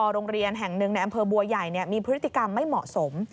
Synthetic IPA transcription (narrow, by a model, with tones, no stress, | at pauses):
ɔː˧ɾoː˧ŋɾi˧ənɦɛ˨˩ŋnɯ˧ŋa˧jʔa˧mpʰɤː˧bu˧ɐja˨˩jni˥˩ɐmiː˧pʰɯ˦˥t̪ːi˧˨ka˧mːa˥˩jmɔ̰˨˩ʔso˩˦m